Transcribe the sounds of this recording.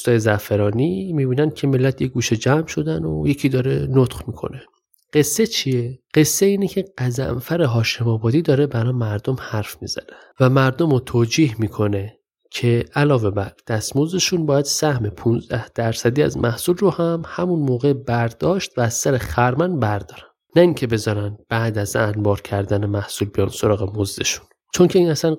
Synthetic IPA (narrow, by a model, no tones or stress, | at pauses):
st̪ɒːjezæfeɾɒːnimiːbiːnænd̪̚cʰe̞me̞lːæt̪ʰjeɡuːʃed͡ʒæmʃo̞d̪æno̰jecʰid̪ɒːɾenot̪χmikʰo̰ne | ɢe̞sːet͡ʃʰieɢ̥e̞sːeiːnecʰe̞ɡ̥æzæ̰mfæɾeɦɒːʃe̞mɒːbɒːd̪iːd̪ɒːɾe̞bæɾɒːmæɾd̪omhæɾfmḭːz̥æ̰nænvæmæɾd̪omot̪ʰoːd͡ʒiːhmiːkʰo̞ne̞ | cʰe̞ʔælɒːve̞bæɾd̪̥æst̪mo̞zd̪e̞ʃunbɒːjæd̪̥sæhme̞pʰunzd̪æhd̪̥æɾsæd̪iːæ̰zmʔæhsulrohæmhæmunmoːɣebæɾd̪̥ɒːʃt̪væːz̥ːæɾexæɾmænbæɾd̪ɒːɾæn | næiŋcʰe̞be̞zɒːɾænbæːd̪æzænbɒːɾcʰæɾd̪ænemæhsulbijɑnso̞ɾɒːɣe̞mo̞zd̪e̞ʃu̥n | t͡ʃʰoncʰe̞iːnæsæn